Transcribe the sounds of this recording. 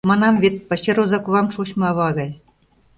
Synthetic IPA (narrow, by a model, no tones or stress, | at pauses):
mɑnɑmvet̪̚pɤ̆t͡ɕeɾuzɑkuβɑmʃuɕmɑβɑɣɑj